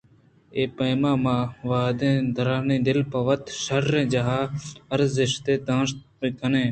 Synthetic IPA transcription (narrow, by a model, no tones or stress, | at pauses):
eːpəːmãːmãːʋaːd̪ẽːd̪ʱəɾaːnĩːd̪ɪlpɐʋət̪ʃəɾːẽːd͡ʒaɦaːəɾzɪʃt̪eːd̪ãːst̪pĩːkʰənẽː